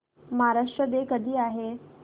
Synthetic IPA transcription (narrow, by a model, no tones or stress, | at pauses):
maɦaɾaʂʈɾəd̪ekəd̪ʱiːaɦe